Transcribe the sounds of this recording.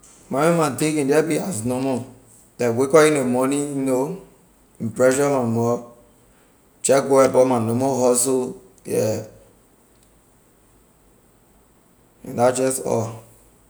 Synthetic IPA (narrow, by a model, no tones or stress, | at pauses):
mamẽmãtĩkĩdɛbiaznɔmɔ | dɛwekɔinomɔnino | ĩmpɾɛʃɔmamɔ | t͡ʃɛkɡoɛbɔmanomoɦɔso | jɛ | ḭ̃dad͡ʒɛstɔ̰